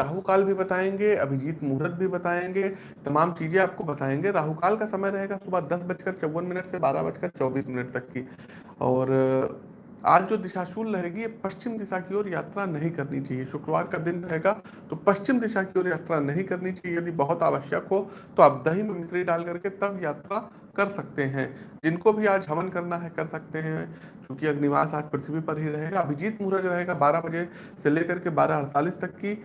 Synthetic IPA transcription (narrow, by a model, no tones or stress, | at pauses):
ɾaːɦukaːlbʱibɐt̪aːẽːŋɡeɐbʱid͡ʒiːt̪muːɾət̪̚bʱibɐt̪aːẽːŋɡe | t̪ɐmaːmt͡ʃiːzẽaːp̚kobɐt̪aːẽːŋɡeɾaːɦukaːlkasɐməjɾɐɦeːɡasʊbʱəd̪ɐsbɐt͡ʃkəɾt͡ʃɐwːənmɪnəʈsebaːɾa̰bɐt͡ʃkɐt͡ʃɔːbiːsmɪnəʈt̪ɐkːi | ɔːɾ | a̰ːd͡ʒd͡ʒoːd̪ɪʃaːʃuːlɾɐɦeːɡiepɐʃt͡ʃɪmd̪ɪʃakioːɾjaːt̪ɾanɐɦĩkɐɾnit͡ʃaːɦieʃʊkɾəʋa̰ːɾkad̪ɪnɾɐɦeːɡa | t̪opɐʃt͡ʃɪmd̪ɪʃakioːɾjaːt̪ɾanɐɦĩkɐɾnit͡ʃaɦijɐd̪ibɐɦʊt̪aːʋəʃjəkɦo | t̪oɐb̚d̪ɐɦimẽmɪsɾiɖaːlkɐɾket̪ɐbʱjaːt̪ɾa | kɐɾsɐk̚t̪eɦɛ̃ːd͡ʒɪnkobʱiaːd͡ʒɦɐmənkɐɾnaɦɛkɐɾsɐk̚t̪eɦɛ̃t͡ʃõːkiɐɡnɪʋa̰ːsaːd͡ʒpɾɪt̪ʰɪbʱipɐɾɦiɾɐɦeːɡaɐbʱid͡ʒiːt̪muːɾəd͡ʒɾɐɦeːɡabaːɾabɐd͡ʒe | seleːkɐɾkebaːɾaɐɾt̪aːlist̪ɐkːi